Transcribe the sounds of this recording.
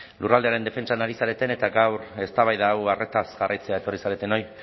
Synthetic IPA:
lurald̪eaɾe̞nd̪e̞fe̞nt͡ʃanaɾisaɾe̞t̪e̞ne̞t̪aɡawɾe̞st̪aβajðaːware̞t̪asɣarajt͡se̞ae̞t̪o̞risaɾe̞t̪e̞no̞j

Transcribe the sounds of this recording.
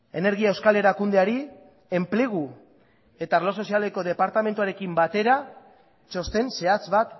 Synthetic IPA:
e̞ne̞ɾɣiaewskale̞ɾakund̪eaɾi | e̞mple̞ɣ̞u | e̞t̪aːrlo̞so̞sialeko̞ð̞e̞paɾt̪ame̞nt̪uaɾe̞kimbat̪e̞ɾa | t͡ʃo̞st̪e̞nse̞at͡sβat̪

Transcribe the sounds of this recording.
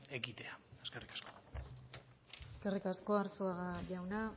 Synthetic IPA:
eɣit̪e̞aeskerikḁsko | eske̞rikasko̞aɾsoaɣaʝawna

